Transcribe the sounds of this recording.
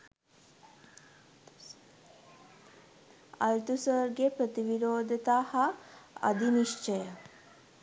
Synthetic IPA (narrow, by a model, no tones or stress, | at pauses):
ɐlt̪usəɾɡepɾət̪iʋiɾoːd̪ʱət̪aːhɐɐ̰d̪iniʃt͡ʃəjə